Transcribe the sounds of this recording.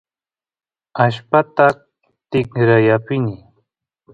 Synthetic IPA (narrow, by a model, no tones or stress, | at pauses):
aʃpat̪a | t̪ɪkɾajapɪnɪ